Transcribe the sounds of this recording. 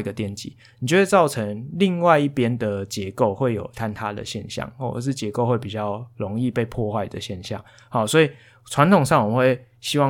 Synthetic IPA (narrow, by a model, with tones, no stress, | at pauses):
i˧ɡə˨t̪jɛ˥˨nt͡ɕḭ˨˦ni˨˩t͡ɕjo˥˧˩we˥˩t͡sɑ˥˨ʊʈ͡ʂʰə˧˦ŋli˥˧ŋwa˥˧ɪi˥˩pjɛ˥˦nd̪ə˨t͡ɕjɛ˧˦ko˥˧ʊxwe˥˩ɪjo˨˩ʊt̪ʰa˦nt̪ʰa˦d̪ə̰˨ɕjɛ̰˥˧nɕjɑ̰˥˨ŋxwɔ˥˩ə̰˨ʂ̬ɻ̩˥˩t͡ɕjɛ˧˥ko˥˧ʊxwe˥˩ɪpi˨˩t͡ɕjɑ˥˩ʊlo˧˦ŋi˥˧pe˥˧ɪpʰwɔ˥˧xwa˥˩ɪd̪ə˨ɕjɛ˥˧nɕjɑ̰˥˨˩ŋ | hɑ˨˩ʊswɔ˧˥i˨ | t͡sʰwa˧˦nt̪ʰʊ˨ŋʂɑ˥˩ŋwɔ˨˩ə˨˧we˥˩ɪ | ɕi˥wɑ˥˨